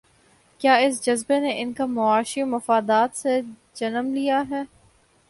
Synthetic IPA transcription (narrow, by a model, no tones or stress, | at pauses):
kjaːɪs̬d͡ʒɐzbeneʔɪnkamʊaːʃimɐfaːd̪aːt̪se | d͡ʒɐnəmlijaɦɛː